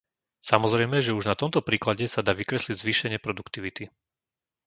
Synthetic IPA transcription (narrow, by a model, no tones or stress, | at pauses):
samɔzɾɛjmɛʒɛuʒnat̪ɔmt̪ɔpɾiːklaɟɛsad̪aːʋikɾɛsliɟzʋiːʃɛɲɪɛpɾɔd̪ukt̪iʋit̪i